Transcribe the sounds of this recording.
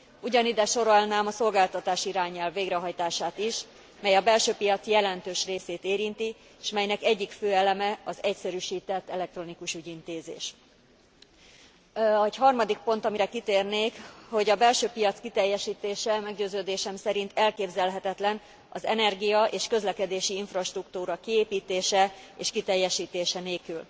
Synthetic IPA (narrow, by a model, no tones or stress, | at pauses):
uɟɒnid̪ɛʃo̞ɾɒlnaːmɒso̞lɡaːlt̪ɒt̪aːʃiɾaːɲɛlvːeːɡɾɛɦɒjt̪aːʃaːt̪iʃ | mɛjɒbɛlʃøːpijɒt̪sjɛlɛnt̪øːʃreːseːt̪eːɾint̪i | ʃmɛjnɛkɛɟːikføːɛlɛmɛɒzɛcsɛɾyːʃiːt̪ɛt̪ːɛlɛk̚t̪ɾo̞nikuʃyːɟint̪eːzḛːʃ | cɦɒrmɒd̪ik̚po̞nt̪ɒmiɾɛkit̪eːrneːkho̞ɟɒbɛlʃøːpijɒt̪skit̪ɛjːɛʃiːt̪eːʃɛmɛɡɟøːzøːd̪eːʃɛmsɛɾint̪ɛlkeːbzɛlɦɛt̪ɛt̪lɛn | ɒzɛnɛrɡijɒʔeːʃkø̞zlɛkɛd̪eːʃiiɱfrɒʃt̪rukt̪uːɾɒkieːpiːt̪eːʃɛeːʃkit̪ɛjːɛʃiːt̪eːʃɛneːlkyl